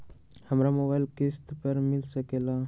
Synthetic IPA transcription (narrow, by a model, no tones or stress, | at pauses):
həmɾamobajilkest̪pəɾmilsəkela